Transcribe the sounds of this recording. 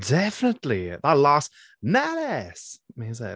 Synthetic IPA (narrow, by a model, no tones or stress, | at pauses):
dɛfənətˡliðəlas | næɾɛsmĩːnzɪ̰t